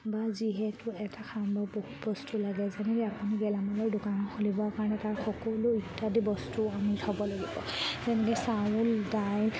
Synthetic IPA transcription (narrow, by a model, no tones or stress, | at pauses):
baziɦɛtʊɛtakʰambɔbohutbɔstulaɡɛzɛnɛlɛapuniɡɛlamalɔɹdʊkanɔxolibɔakaɹɔnɛtaɹxɔkɔluitːadibɔstuamitʰɔbɔlaɡibɔ̰zɛnɛkɛsawuldajl